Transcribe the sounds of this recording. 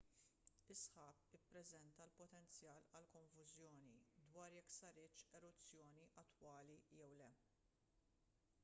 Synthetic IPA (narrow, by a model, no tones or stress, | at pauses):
ɪsħɐːpɪpːɾɛzɛnt̪ɐlpɔt̪ɛnt͡sjɐːlɐlkɔɱfʊzjɔːnid̪wɐːɾjɛkːsɐɾɪːt͡ʃɛɾʊt͡sːjɔːniʔɐt̪ːwɐːlijɛwlɛ